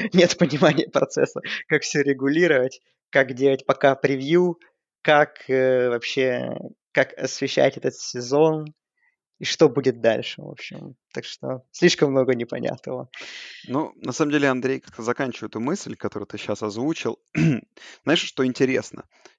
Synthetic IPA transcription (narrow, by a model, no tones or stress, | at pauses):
nʲe̞t̪pənʲɪmanʲɪjəpɾɐt̪sɛ̰sːəkakfsʲɵɾʲɪɡʊlʲiɾəvətʲ | kakdʲelˠətʲpɐkapɾʲɪvju | kakəvɐpɕːe̞ | kakɐ̰svʲɪɕːæ̰tʲɛt̪ət̪sʲɪzo̞n | iʂt̪o̞budʲɪt̪̚d̪alʲʂɨvo̞̰pɕɪ̰mt̪akʂt̪o̰sʲlʲiʂkəmːno̞ɡənʲɪpɐ̰nʲʔa̰t̪nəvənunɐsaməmdʲelʲɪɐnd̪ɾʲejkḁk̚t̪azɐkanʲt͡ɕɪvəjɛt̪ʊmɨsʲlʲkɐt̪o̞ɾʊ̰jt̪ɨɕːasɐzvut͡ɕɪ̰lˠ | znajɪʂʂt̪o̞ɪnʲtʲɪɾʲḛsnə̰